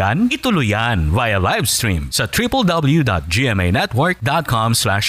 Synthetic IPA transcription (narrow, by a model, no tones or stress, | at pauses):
anɪt̪ʊlʊjanvajɐlajvst̪ɹḭ̃msɐt̪ʰɹipɐld̪ɐbɛl̩ˠjud̪a̰t̪̚d͡ʒiɛmejnɛt̪wɔɹk̚d̪at̪̚kʰɑmslaʃ